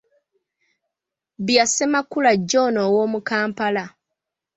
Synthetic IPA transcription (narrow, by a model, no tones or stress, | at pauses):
bjasemakulaɟːo̞ːnowoːmukaːmpala